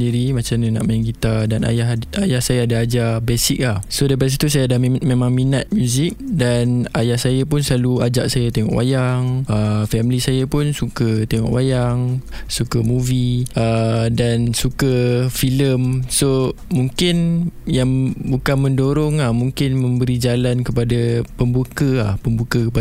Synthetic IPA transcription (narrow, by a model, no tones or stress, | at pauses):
ndiɾimat͡ʃamnana̰ʔmajaŋɡit̪adanʔa̰jaɦajahsajaːdaːd͡ʒabesik̚lahsodap̬adsit̪usajadamẽmãŋminat̪̚mjũzik̚danajahsajap̬ʊnsəlaluad͡ʒaʔsajat̪ɛŋɔ̰ʔwa̰jaŋəfɛmlisajapʊnsukət̪eŋɔ̰ʔwajaŋsukəmuviʔədansukəfiləmso | mũŋkɪnjaŋbukanmə̃ndoɾɔŋlahmũŋkɪnmə̃mbəɾid͡ʒalankəpadapəmbukəlahpəmbukəkəp